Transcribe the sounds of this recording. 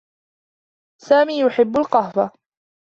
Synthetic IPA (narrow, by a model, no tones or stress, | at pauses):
saːmiːjʊħɪbːʊlqɑhwa